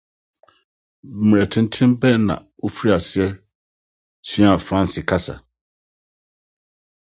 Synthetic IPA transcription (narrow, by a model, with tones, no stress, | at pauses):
m˨ɾɛ˨tʰɪ̃˨n˦tʰɪ̃˦mbɛ˦nã̰˨wo˦fi˦i˦a˨sɪ˦ɛ˦ | sĩ˦a˨fɾã˦n˨sɪ˨kʰa˦sa̰˨